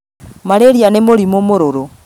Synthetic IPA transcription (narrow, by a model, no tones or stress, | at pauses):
maɾeɾijanemoɾimomoɾoɾo